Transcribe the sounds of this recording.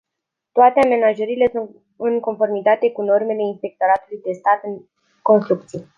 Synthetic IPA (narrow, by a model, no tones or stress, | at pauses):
t̪oat̪eame̞naʒəɾile̞sun | ɨnko̞nfo̞rmit̪at̪e̞kuno̞rme̞le̞inspe̞k̚t̪o̞ɾat̪ulujd̪e̞st̪at̪ɨŋ | ko̞nst̪ɾuk̚t̪sije